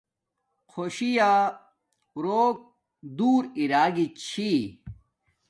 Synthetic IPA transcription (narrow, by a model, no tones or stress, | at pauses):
kʰoɕija | ɾoːk̚ | d̪uːɾiɾaːɡit͡ɕʰi